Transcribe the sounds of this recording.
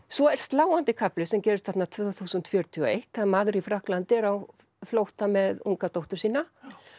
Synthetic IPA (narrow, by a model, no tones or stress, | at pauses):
svɔɛr̥st̪laːwant̪ɪkʰaplɪsɛmcɛːɾʏst̪fat̪nat̪ʰvœːɣθuːsʏnt̪fjœːɾt̪ʰiɔḛjht̪θaðmaːðʏɾifɾahklant̪ɪɛɾaw | flowht̪amɛðuŋkat̪owht̪ʏ̥siːna